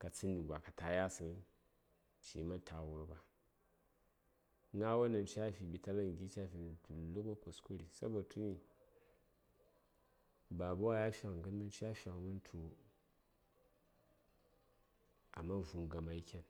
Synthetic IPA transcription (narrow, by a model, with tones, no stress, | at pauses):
ka˨t͡sɨ˦ni˨kba˨ka˨ta˨ja˦sɨ˦ŋ˦ | ʃḭ˨˦ma˦tʰa˨wu˦ɾba˨˦ | ŋa˦wa˦nɐ˨n˦t͡ʃa˦˨fʲi˨bi˨ta˦la˦ŋ˨ɡʲi˦t͡ʃa˦˨fʲi˨ni˨du˨lːu˦ko˦ko˨sku˦ɾi˨sa̰˦bɐ˨tʰu˦ni˨ | ba˨bu˦wa˦ja˦fʲa˨kŋ˨ɡɨ˦nmu˦n˦t͡ʃa˦fʲa˨ŋ˨mu˦n˦tʰu˨˦ | a̰˨mːa˦˨vu˨ŋ˨ɡa˨ma˨i˦kʲa˦˨n